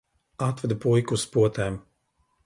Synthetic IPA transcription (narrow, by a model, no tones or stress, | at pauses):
at̪vɛd̪pujkuspuɔt̪ɛːm